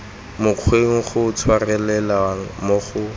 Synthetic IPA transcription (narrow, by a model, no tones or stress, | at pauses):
mʊq͡χʰweŋ̩χʊt͡sʰwarɛlɛlawaŋ̩moχʊ